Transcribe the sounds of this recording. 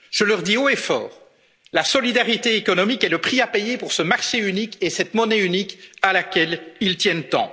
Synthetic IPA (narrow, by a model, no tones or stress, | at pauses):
ʒ̥əlœʁd̪ioefɔ̰ːʁ | lasɔlid̪aʁit̪eekɔnɔmikɛləpχiapejepuʁsəmaʁʃeynikesɛt̪mɔnɛynikalakʲɛlilt̪jɛnt̪ɑ̰̃